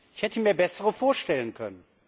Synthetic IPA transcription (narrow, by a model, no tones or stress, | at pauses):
ʔɪçhɛtəmiːɐbɛsəʁəfoːɐʃtɛlənkʰœ̰nən